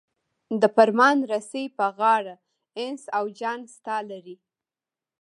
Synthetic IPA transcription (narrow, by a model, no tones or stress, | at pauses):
d̪əpaɾmɑnɾasejpəɣɑɽa | ɪnsawd͡ʒɑnst̪ɑlaɾi